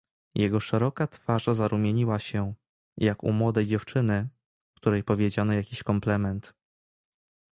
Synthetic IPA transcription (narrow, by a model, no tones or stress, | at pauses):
jɛɡɔʂɛɾɔkat̪faʐazaɾumʲjeɲiwaɕɛ | jakṵmwɔd̪ɛjd͡ʑɛft͡ʂɘnɘ | kt̪uɾɛjpɔvʲjed͡ʑanɔjakʲiɕkɔmplɛmɛnt̪